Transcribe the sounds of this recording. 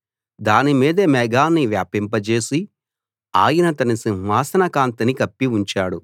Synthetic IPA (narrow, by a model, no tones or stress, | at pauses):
d̪aːnimiːd̪ɐmɛɡaːnːiʋjaːpimpɐt͡ʃe̞ːsi | aːjɐnɐt̪ɐnisinɦaːsɐnɐkaːnt̪inikɐpːiuɲt͡ʃaːɽu